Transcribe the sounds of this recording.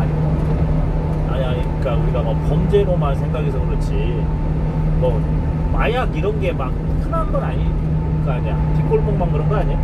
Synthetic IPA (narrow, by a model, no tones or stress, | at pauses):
aɲi | aɲaik͈auɾiɡamakpʌnd͡ʑe̞ɾomasʰe̞ŋɡaɡesʰʌkɯɾɯt͡ɕʰi | mʌ | majaɡiɾʌnɡe̞mak̚ | kʰɯnanɡʌɾaɲi | ɯik͈aɲa̰ŋpik͈oɭp͈oŋmaŋkɯɾʌnɡʌnaɲi